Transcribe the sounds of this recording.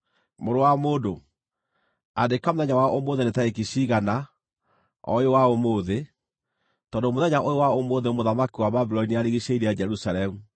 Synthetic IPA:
moɾowamoːdo | adekamoðɛɲawaʔomoðenetaekiʃiɣana | ɔ̰jowaomoːðe | tɔndomoðɛɲaʔojewaomoðeomoðamakiwababilɔiniaɾeɣiɕeiɾejad͡ʒɛɾusalɛmu

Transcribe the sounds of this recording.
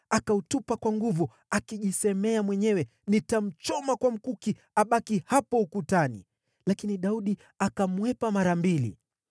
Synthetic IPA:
akautupakwaŋɡuvu | akiʄisɛmɛamwɛɲɛwɛ | nitam̩t͡ʃɔmakwam̩kuki | aɓakihapɔukutanḭ | lakiniɗauɗi | akamwɛpamaɾambilḭ

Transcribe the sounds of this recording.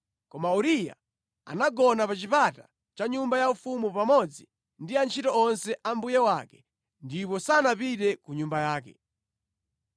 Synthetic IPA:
kɔmauɾija̰ | a̰naɡɔnapat͡ʃipatḁ | t͡ʃaɲumbajaufumupamɔd͡zi | ndiant͡ʃʰitɔɔnsɛʔambujɛwaːkɛ̥ | ndipɔsanapiɾɛkuɲumbajaːkɛ̰

